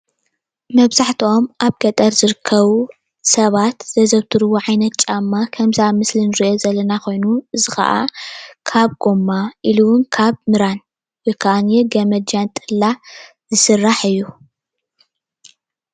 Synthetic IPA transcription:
mɐβzaħt̪ʰio̞mʔaβɡɐt̪ʼɐɾzɨɾɨkʰːɐβu | sɐβat̪zɐzɐβt̪ʰɨɾɨβoʕajnɐt̪̚t͡ʃʼamːakʰɐmzamɨslinɨɾiʔo̞zɐlɐnakʰo̞jnuɨzɨxɐ̰ʔa̰kʰaβɡomːaʔiluwʊnkʰaβmɨɾan | wɔjkʰaʔanjeɡɐmɐd͡ʒant̪ʼɨlːa | zɨsɨrːaħɨjːu

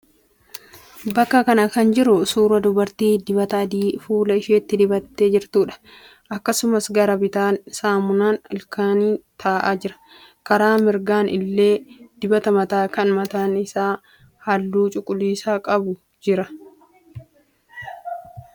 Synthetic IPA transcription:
bɐkːɐkɐnɐkɐnd͡ʒɪɾʊsuːɾɐd̪ʊbɐɾt̪iːd̪ɪbɐt̪ɐd̪iːfuːlɐɪʃeːt̪ːɪd̪ɪbɐt̪ːeːd͡ʒɪɾt̪uːᶑɐ̥ | ʔɐkːɐsʊmɐsɡɐɾɐbɪt̪aːnsaːmʊnaːnɪlkʰaːniːt̪ʰaːʔaːd͡ʒɪɾɐ̥ | kɐɾaːmɪɾɡaːnʔɪ̰lːe̞ːd̪̥ɪbɐt̪ɐmɐt̪aːkɐnmɐt̪aːnɪsaː | hɐlːuːt͡ʃʼʊkʼːʊliːsaːkʼɐbʊ | d͡ʒɪɾɐ

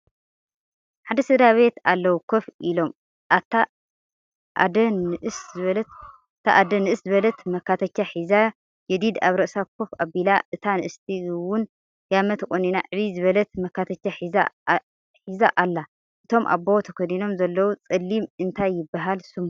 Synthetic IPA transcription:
ħad̪ɐsɨd̪aβe̞t̪alːɐwukʰofʔilo̞m | at̪ːa | ʔa̰d̪ɐnɨʔɨszɨβɐl | t̪ʰaʔad̪ɐnɨʔɨszɨβɐlɐt̪mɐkːat̪ʰɐt͡ʃːaħiza | jɛd̪id̪aβɾɐʔsakʰofabilaʔɨt̪ʰanɨʔɨst̪ʰiwʊn | jamɐt̪ʰkʼoninaʕɨβizɨβɐlɐt̪mɐkːat̪ʰɐt͡ʃːaħiza | ħizaʔalːa | ʔɨt̪ʰo̞mʔa̰bːowt̪ʰɐkʰɐd̪ino̞mzɐlːɐwut͡sʼɨlːimɨnt̪ʰajːɪbːaɦalsum

